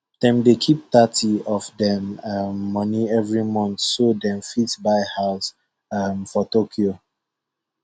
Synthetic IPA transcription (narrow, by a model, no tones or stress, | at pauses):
d̥ɛ̃mdekʰip̚t̪atiɔvdɛ̃mamːʌniɛvɹimɔ̃ntsodɛ̃mfitbaɪhaʊs | amfɔtokʰio